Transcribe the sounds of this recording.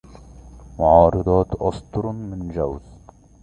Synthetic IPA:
mʊʕɑːɾˤɑd̪ˤɑːt̪ʔɑst̪ˤɾmɪnd͡ʒawz̥

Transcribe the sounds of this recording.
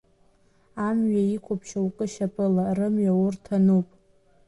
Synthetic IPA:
amɥaikʷʰopʰʃaukʼɨʃapʼɨlarɨmɥaurtʰanupʼ

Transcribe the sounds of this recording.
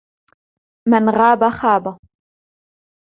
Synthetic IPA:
mɪnɣaːbaxaːba

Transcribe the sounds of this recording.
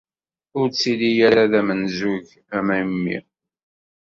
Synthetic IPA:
ʊɾt͡sːilijaɾaðæmənzuʝ | æmæjmːḭ

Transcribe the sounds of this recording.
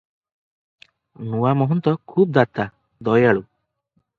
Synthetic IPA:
nuwamɔɦɔnt̪ɔkʰuːb̚d̪at̪a | d̪ɔjaɭu

